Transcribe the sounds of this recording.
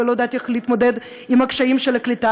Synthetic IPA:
elod̪at̪eχliːt̪mod̪ed̪ | imakʃaimʃelaklit̪a

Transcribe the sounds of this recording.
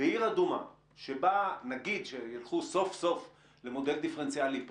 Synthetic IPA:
eiʁad̪uma̰ | ʃebanaɡid̪ʃejalχuso̞fso̞f | le̞mo̞d̪eld̪ifeent͡sjalip

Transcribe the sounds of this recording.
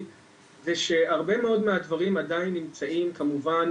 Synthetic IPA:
zeʃe̞aʁbe̞me̞o̞dmeadvaʁimadainːimt͡saimkamuvan

